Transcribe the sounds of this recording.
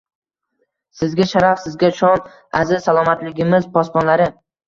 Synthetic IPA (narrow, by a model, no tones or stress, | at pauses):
sɪzɡʲaʃaɾafsɪzɡʲat͡ʃʰɒn | azɪz̥salˠɒmat̪lɪɡʲɪmɪzpʰɒspɒnlaɾɪ